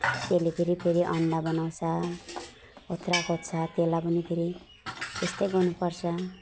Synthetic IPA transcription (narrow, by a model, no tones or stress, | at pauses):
t̪elepʰeɾipʰeɾiʔʌɳɖabʌnaw̃t͡sʰʌ | ot̪rakot̪t͡sʰʌt̪elapʌnipʰeɾi | t̪est̪ʌjɡʌnupʌrt͡sʰʌ